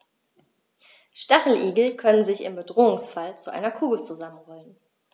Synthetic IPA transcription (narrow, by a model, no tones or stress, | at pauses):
ʃtaχl̩ʔiːɡl̩kʰœnənzɪçɪ̰mbədʁoːʊŋsfalt͡suʔa̰ɪnɐkʰuːɡl̩t͡suzamənʁɔlən